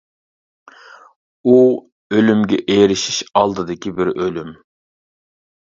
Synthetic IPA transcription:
u | ølymɡʲɛʔeɾɪʃi̥ʃɑlˠd̪ɨd̪ɪkʲibɪɾølym

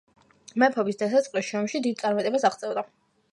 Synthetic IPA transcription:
mɛpʰɔbisd̪asat̪sʼqʼliʃɔmʃid̪id̪̚tsʼaɾmat̪ʼɛbasaʁt̪sʼɛvd̪a

